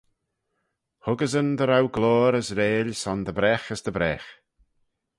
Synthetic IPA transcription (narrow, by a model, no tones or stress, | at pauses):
hʊɡəzənd̪əɾawɡloːɾəsɾeːlʲsɔnd̪əbɾɛxəsd̪əbɾɛx